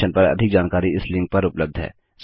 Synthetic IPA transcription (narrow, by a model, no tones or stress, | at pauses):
ənpɐɾɐ̰d̪ʱɪkd͡ʒaːnkaːɾiɪslɪ̃ŋk̚pɐɾʊpləb̚d̪ʱɦɛ̰ː | s